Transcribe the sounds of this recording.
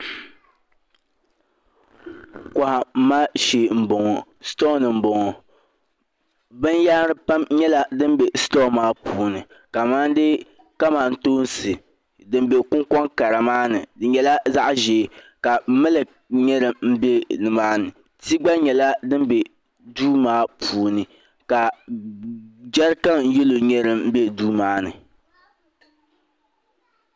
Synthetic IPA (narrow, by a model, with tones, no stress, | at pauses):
kɔ˨ha˨m̩˦maː˦ʃeː˨m̩˨bɔ˨ŋɔ˨ | stɔ˦nɨ˨m̩˦bɔ˨ŋɔ˨ | bɨ˦n˦ja˦ɾɨ˦pa˦mɲɛ˦la˦dɨ˦m˦bɛ˨stɔ˦maː˦puː˦nɨ˨ | ka˨maː˦n˦dɨ˦ | ka˦maː˨n̩˦toː˦nsɨ˨ | dɨ˨m˦be˨kʊ˦ŋkɔ˦ŋka˨ɾa˨maː˦nɨ˨dɨ˨ɲɛ˨la˦za˦ʔʒe˨ | ka˨˦mɨ˦lɨ˨ | ɲɛ˦ɾɨ˨mm̩˦be˦nɨ˨maː˦nɨ˨ | ti˦ɡ͡ba˦ɲɛ˨la˦dɨ˦m˦be˨ | duː˦maː˦puː˨˦nɨ˨ | ka˨ | d͡ʒa˦ɾka˦ŋ˦je˦lo˨ɲɛ˦ɾɨ˦m̩˦be˦duː˦maː˨˦nɨ̰˨